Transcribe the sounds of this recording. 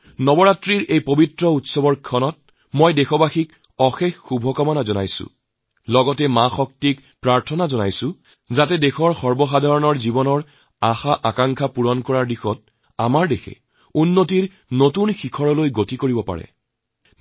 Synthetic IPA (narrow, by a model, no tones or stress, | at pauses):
nɔbɔɹatɹiɹʔejpobitɹɔutsɔbɔɹkʰɔnɔt̚ | mɔjdexɔbaxik | ɔxexːubʱɔkɔmɔnazɔna̰jsʊ̰ | lɔɡɔtɛmaxɔk̚tik | pɹaɹtʰɔnazɔnajsʊ̃ | zatɛdexɔɹxɔɹbɔxadʱaɹɔnɔɹzibɔnɔɹ | axaʔakaŋkʰapuɹɔnkɔɹaɹdixɔt̚ | a̰maɹdexʰɛ̰ | unːotiɹ | notunxikʰɔɹɔlojɡotikoɹibɔpa̰ɹɛ̰